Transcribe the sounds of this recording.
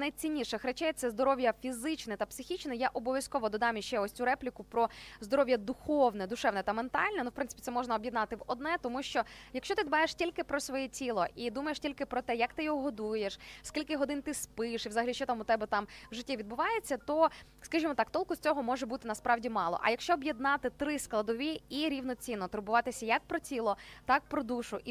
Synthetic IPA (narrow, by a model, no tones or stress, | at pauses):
nɐjt͡sʲinʲːiʃɛxɾɛt͡ʃɛjɛt̪sɛzd̪ɔɾɔʋʲjɐfʲizɪt͡ʃnɛt̪ɐpsɪxʲit͡ʃnɛjaʔɔbɔʋʲjɐskɔʋɔd̪ɔd̪ɑmjiʃt͡ʃɛɔsʲt͡sʲuɾɛplʲikʊpɾɔzd̪ɔɾɔʋʲjɐd̪ʊxɔwnɛd̪ʊʃɛwnɛt̪ɐment̪ɑ̰lʲnɛnuwpɪnɪpʲi̥t̪ɛmɔʒnɐɔbʲjid̪nɑt̪ɪʋɔd̪nɛt̪ɔmuʃt͡ʃɔjɐkʃt͡ʃɔt̪ɪd̪bɑjeʂtʲilʲkɪpɾɔsʋɔjɛtʲilˠɔʔid̪umɐjeʃtʲilʲkɪpɾɔt̪ɛjɐkt̪ɪjɔɦɔɦɔd̪ujeʃskʲilʲkɪɦɔd̪ɪnt̪ɪspɪʃiwzɐɦɐlʲiʃt͡ʃɔt̪ɑmʊt̪ɛbɛt̪ɑmʋʐɪtʲːiʋʲid̪bʊʋɑjet͡sʲːɐt̪ɔ | skɐʒimɔt̪ɑkt̪ɔlˠkʊsʲt͡sʲɔɦɔmɔʒɛbut̪ɪnɐspɾɑwdʲimɑlˠɔ̰ʔɐ̰jɐkʃt͡ʃɔɔbjed̪nɑt̪ɪt̪ɾɪsklˠɐd̪ɔʋʲiiɾʲiwnɔt͡sʲinːɔt̪ɾʊbʊʋɑt̪ɪsʲɐjɐk̚pɾɔtʲilˠɔt̪ɑk̚pɾɔd̪uʃʊʔi